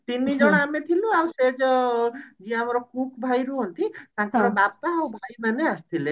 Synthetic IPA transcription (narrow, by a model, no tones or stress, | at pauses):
t̪inːid͡ʒɔɽ̃amet̪ʰiluawsed͡ʒ | d͡ʒiãamɔɾɔkukʰbʱajɾuɦɔnt̪it̪ãkɔɾɔbapaːwbʱajmaneast̪ʰile